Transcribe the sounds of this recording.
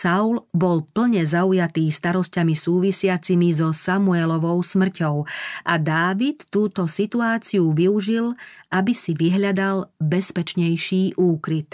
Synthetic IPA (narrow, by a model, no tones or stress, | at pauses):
saʊlbɔlpl̩ɲɛzaujat̪iːst̪aɾɔscamisuːʋisɪat͡simizɔsamuɛlɔʋɔʊsmr̩cɔʊʔad̪aːʋit̪ːuːt̪ɔsit̪uaːt͡siuʋiuʒilʔabisiʋiɦʎad̪albɛspɛt͡ʃɲɛjʃiːʔuːkɾit̪